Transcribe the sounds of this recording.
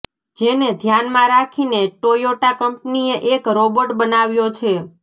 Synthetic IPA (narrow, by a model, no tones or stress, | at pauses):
d͡ʒened̪ʱjanmãɾakʰineʈojoʈakəmpnieʔekɾoboʈbənaʋjot͡ʃʰe